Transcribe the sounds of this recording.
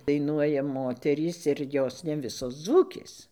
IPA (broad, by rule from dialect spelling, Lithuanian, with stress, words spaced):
dɐɪˈnuɔjɛ ˈmoːtʲɛrʲiːs ɪr ˈjoːs nʲɛ ˈʋʲɪsoːs ˈd͡zuːkʲeːs